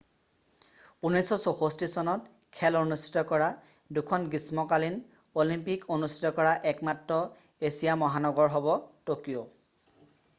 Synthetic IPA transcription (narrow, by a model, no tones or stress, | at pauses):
unɔsɔsoxostisɔnɔt | kʰɛlonustʰi̥tɔkɔɹa | dukʰɔnɡismɔkalin | olimpikonustʰi̥tɔkɔɹaʔɛkmatɹɔ | esijamɔɦanɔɡɔɹɦɔbɔtokijo